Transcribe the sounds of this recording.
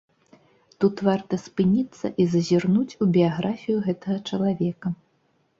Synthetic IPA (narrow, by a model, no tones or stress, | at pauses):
t̪ut̪vart̪ɐspɨnʲit̪sːɐ̰ʔizɐzʲirnut͡sʲubʲiaɣɾafʲijuɣɛt̪ɐɣɐt͡ʂɐlˠavʲɛkɐ